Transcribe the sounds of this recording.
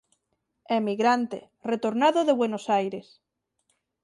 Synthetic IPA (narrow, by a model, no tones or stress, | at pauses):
emiɣɾant̪ḛ | ret̪oɾnaðoðeβwenosajɾes